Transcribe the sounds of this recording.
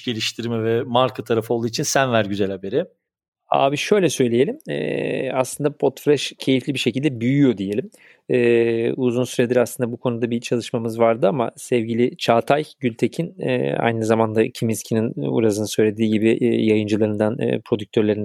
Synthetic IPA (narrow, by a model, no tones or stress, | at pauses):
ɟe̞lʲiʃt̪ʰiɾmɛvɛmaɾkʰat̪ʰaɾafɯolˠd̪uːit͡ʃʰinsænvæɾɟyzælʲhabe̞ɾɪ | a̰ːbiʃø̞jlʲɛsø̞jlʲeje̞lʲimɛ̰aslˠɯnd̪apʰo̞t̪flʲɛʃcʰe̞jiflʲibiʃecʰilʲd̪ɛbyjyjo̞d̪ije̞lʲim | ɛːuzunsyɾe̞d̪iɾaslˠɯnd̪abukʰo̞nud̪abit͡ʃʰalˠɯʃmamɯzvaɾd̪ɯama̰sɛvɟilʲɪt͡ʃʰaːt̪ʰajɟylʲt̪ʰe̞cʰinɛ̰ːa̰jnɯzamand̪acʰimiscʰininṵɾazɯnɯsø̞jlʲe̞d̪iːɟibijajɯnd͡ʒɯlˠaɾɯnd̪an̰ːpʰɾo̞d̪yc̚ʲt̪ʰø̞ɾlʲeɾin